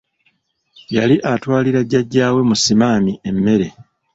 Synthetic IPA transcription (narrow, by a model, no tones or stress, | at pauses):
jaliʔatwaːliɾaɟːaɟːaːwe̞musimaːmie̞mːe̞ɾe̞